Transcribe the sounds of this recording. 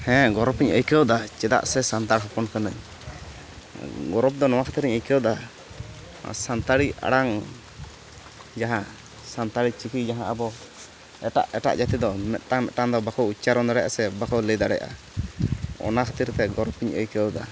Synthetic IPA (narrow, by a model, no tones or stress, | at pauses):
hɛ̃ɡɔɾɔpiɲəjkəwd̪at͡ʃɛd̪a̰ʔsɛsant̪aɽɦɔpɔnkanəɲ | ɡɔɾɔp̚d̪ɔnɔwãkʰat̪iɾiɲəjkəwd̪a | sant̪aɽia̰ɽaŋ | d͡ʒaɦã | sant̪aɽit͡ʃikʰid͡ʒaɦãʔabɔ | ɛʈa̰ʔɛʈa̰ʔd͡ʒat̪id̪ɔmɛt̪̚ˀʈaŋmɛt̪̚ʈaŋd̪ɔbakɔwut͡ʃaɾɔnd̪aɽɛjʔa̰sɛbakɔwləd̪aɽɛ̰jʔa̰ | ɔ̰nakʰḁt̪iɾt̪ɛɡɔɾɔpiɲə̰jkəwd̪a